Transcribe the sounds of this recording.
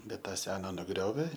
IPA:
ˈbʲɛt ˈtɑː ˈsʲæːnɐ nʊˈɡrʲoːʋʲeː

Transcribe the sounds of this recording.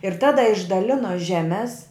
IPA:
ɪr ˈtɑːdɐ ɪʒdɐˈlʲɪnoː ˈʒʲæːmʲɛs

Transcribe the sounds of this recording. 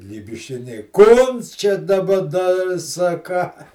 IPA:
lʲiːbʲɪʃʲˈɪnʲɛɪ ˈkoːns t͡ʃʲɛ dɐˈbɐ ˈnɐ ɪr sɐˈkɑː

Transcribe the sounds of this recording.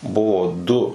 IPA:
ˈbʊʋoː ˈdʊ

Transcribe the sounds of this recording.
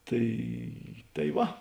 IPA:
ˈtɐɪ tɐɪ ˈʋɐ

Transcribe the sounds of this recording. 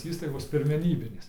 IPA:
ˈiːstɐɪɡoːs pʲɪrʲmʲɛˈnʲiːbʲɪnʲeːs

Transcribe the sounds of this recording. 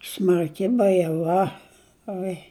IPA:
smɐrʲˈkʲɪ bɐjɛˈʋɐ ˈoːɪ

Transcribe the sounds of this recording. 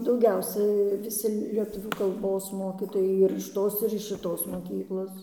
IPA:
dɐʊˈɡʲɛʊsʲɛɪ ʋʲɪˈsʲɪ lʲiɛˈtʊʋʲuː kɐlˠˈboːs ˈmoːkʲiːtoːjɛɪ ɪr ɪʃ ˈtoːs ɪr ɪʃ ʃʲɪˈtoːs moːˈkʲiːklˠoːs

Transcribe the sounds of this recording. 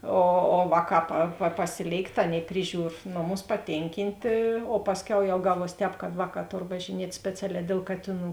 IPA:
oː oː ˈʋɑːˌkɑː pɐ pɐ pɐˈsʲɪlʲeːɪkt ˈɑːˌnʲeːɪ ˈpʲrʲɪˌʒʲuːr ˈnoːˌmʊs pɐˈtʲeːŋʲkʲɪnʲtʲeː oː ˈpɑːsʲˌkʲɛʊ jɛʊ ˈɡɑːˌʋuɔs ˈtʲɛːp kɐt ˈʋɑːˌkɑː ˈtoːr ʋɐʒʲɪˈnʲiɛtʲ ˈsʲpʲæːt͡sʲɛˌlʲɛː dʲeːlˠ ˈkɑːtʲeːˌnuː

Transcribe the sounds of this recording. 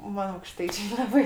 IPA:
ˈmɐn ɐʊkˈʃtɐɪt͡ʃʲeː lˠɐˈbɐɪ

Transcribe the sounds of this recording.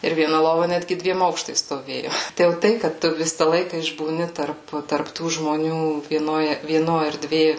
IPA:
ɪr ʋʲiɛˈnɐ ˈlˠoːʋɐ ˈnʲædʲɡʲɪ ˈdʲʋʲiɛm ˈɐʊkʃtɐɪs stoːˈʋʲeːjoː ˈtɐɪ jɛʊ ˈtɐɪ kɐt ˈtʊ ˈʋʲɪsɐ ˈlˠɐɪkɐ ɪʒbuːˈnʲɪ tɐrp tɐrp ˈtuː ʒmoːˈnʲuː ʋʲiɛˈnoːj ʋʲiɛˈnoː ɛrʲˈdʲʋʲeː

